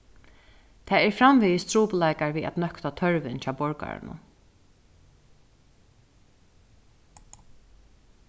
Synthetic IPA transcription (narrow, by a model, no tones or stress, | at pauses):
t̪ʰɛːɛɹfɾamviːjɪst̪ɾuːplajkaɹʋiːa̰t̪nœkt̪at̪ʰœɹʋɪnt͡ɕʰaːbɔɹka̰ɹɪ̰nʊ̰